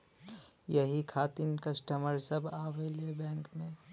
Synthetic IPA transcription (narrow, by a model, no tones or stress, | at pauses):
jɐɦikʰaːt̪ɪnkɐsʈəməɾsɐbʱaːwelebɛ̃ːŋkmẽ